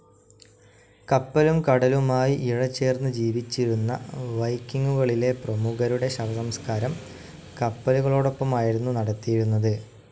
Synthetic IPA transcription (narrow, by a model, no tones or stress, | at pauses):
kɐpːɐlumkɐɽɐlumaːjiʔiɻɐt͡ɕːe̞ːrnːɨd͡ʑiːʋit͡ɕːiɾunːɐʋɐjkːiŋːɡuɣɐɭile̞prɐmuɣɐɾuɽe̞ɕɐʋɐsɐmskaːɾɐm | kɐpːɐluɣɐɭo̞ːɽo̞pːɐmaːjiɾunːunɐɽɐt̪ːijiɾunːɐðɨ